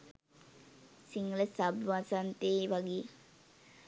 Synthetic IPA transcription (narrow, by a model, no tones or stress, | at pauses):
siŋɡələsabʋasant̪eːʋaɡeː